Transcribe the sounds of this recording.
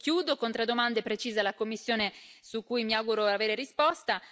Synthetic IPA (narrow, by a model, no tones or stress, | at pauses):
kjuːd̪okont̪ɾed̪ːomand̪epɾet͡ʃiːzalakomːisːjoːnesukːujmiawɡuɾoaveːɾeɾispɔst̪a